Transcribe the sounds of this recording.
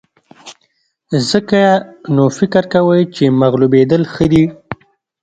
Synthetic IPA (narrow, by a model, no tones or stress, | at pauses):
zəkaanofɪkɾkawəjt͡ʃemaɣlubed̪əlxəd̪i